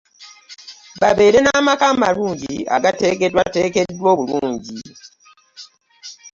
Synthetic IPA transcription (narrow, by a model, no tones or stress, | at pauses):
baβe̞ːɾe̞namakamaluːɲɟia̰ɡate̞ke̞dwate̞ːke̞dːwo̞ːβuluːɲɟi